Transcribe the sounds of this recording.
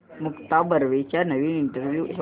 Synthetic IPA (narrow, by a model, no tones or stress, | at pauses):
mukt̪abəɾʋet͡ɕjanəʋiːniɳʈəɾʋju